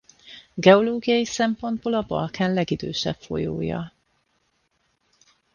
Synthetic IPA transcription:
ɡɛo̞loːɡijɒjisɛmpo̞nd̪̚boːlɒbɒ̰lkaːnlɛɡid̪øːʃɛ̰pfo̞̰jo̰ːjɒ̰

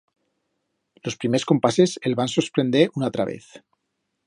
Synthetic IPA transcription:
lo̞spɾimesko̞mpaseselβansospɾe̞nd̪eʔunat̪ɾaβe̞̰θ

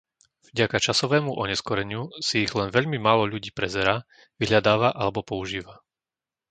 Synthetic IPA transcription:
vɟakat͡ʃasɔʋɛːmuʔɔɲɛskɔɾɛɲɪusiiɣlɛnʋɛʎmimaːlɔʎuɟiːpɾɛzɛɾaː | ʋiɦʎad̪aːʋaʔalɛbɔpɔuʒiːʋa

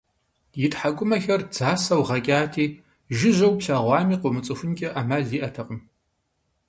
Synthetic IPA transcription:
jɪtħaɡʷʊmɐxɐrd͡zaːsɐwʁɐkʲʼaːtʰiː | ʒɪʑɐwpɕaːʁʷɑːmiːqʷʊmɨt͡sʼɨfʊnkʲʼɐʔaːmaːɮiːʔɐtʰɐqʼəm

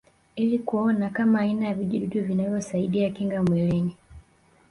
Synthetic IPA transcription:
ilikuɔnakamaːinajaviʄiɗuɗuvinavjɔsaiɗiakiŋɡamwɛlɛɲi

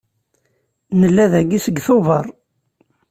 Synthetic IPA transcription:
nəlːæðæɡisəɡθʊvəɾˤ

